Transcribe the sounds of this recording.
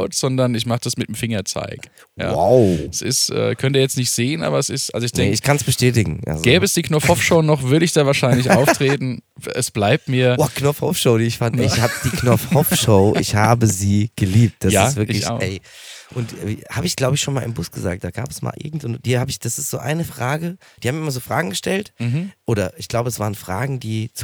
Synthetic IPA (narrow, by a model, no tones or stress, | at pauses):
ʊtz̥ɔndɐnɪçmaχəd̥asmɪtdəmfɪŋɐt͡sa̰ɪk | ja̰ːa̰ʊɛsɪ̰stʔɛ̰ːkʰœntiːɐjɛt͡stnɪçtz̥eːənʔa̰ːbɐɛsɪstʔa̰lzoɪçd̥ɛŋɪçkʰansb̥əʃtɛːtɪɡŋ̩ʔa̰zɡɛːbəɛsd̥iːknɔfhɔfʃoʊnɔχvʏɐɾəɪçd̥aːvaːɐʃaɪnlɪç̬ʔaʊtʁ̥eːtn̩ɛsb̥laɪp̚tmiːɐoːkʰnɔfhɔfʃoʊɾiːɪçfandɪhaːbəd̥iːkʰnɔfhɔfʃoʊʔɪ̰çhaːbəziːɡ̥əliːp̚t̚d̥aɪsv̥ɪɐlɪç̰ʔɛ̰ɪ | ʔʊntʔɛ̰haːbəɪçɡ̥laʊbəɪçʃoːnmaːlɪmbʊsɡ̥əzaːk̚t̚d̥aːɡ̥a̰ːpɛ̥sma̰ːlʔɪ̰ɐɡŋ̩tʊntd̥iːhaːbəɪçd̥asɪ̥stz̥o̰ːʔa̰ɪnəfʁ̥aːɡəd̥ihaːmɪmɐzoːfʁ̥aːɡŋ̩ɡəʃtɛltmʔoːɾɐʔɪçɡ̥laʊbəɛsv̥aːʁənfʁ̥aːɡŋ̩d̥iːt͡s